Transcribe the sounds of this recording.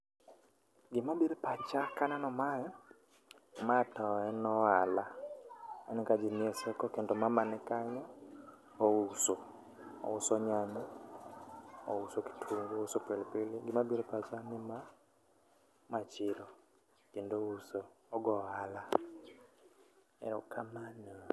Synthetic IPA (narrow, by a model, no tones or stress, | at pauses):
ɡɪmabiɾepat͡ʃakananɔmajɔ | matɔɛnɔala | ɛnɛkad͡ʒiniɛsɛkɔkendɔmamanɪkaɲɔ | ouso | ɔ̰ʊsɔɲaɲɔ | ousoki̥tʰuŋɡuosɔpɛlipiliɡɪmabɔɾɛpasanima | mat͡ʃɪɾɔ | kendousɔː | ɡɔala | ɛ̰ɾɔkʰamana